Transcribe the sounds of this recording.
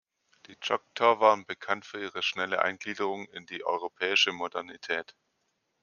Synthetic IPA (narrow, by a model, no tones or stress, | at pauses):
d̥iːt͡ʃɔk̚tʰɐɐvaːʁənbəkʰantfyːɐʔiːʁ̞əʃnɛləʔa̰ɪnɡliːdəʁ̞ʊŋɪndiːʔɔ̰ʏʁ̞opʰɛːɪʃəmodɛɐnitʰɛːt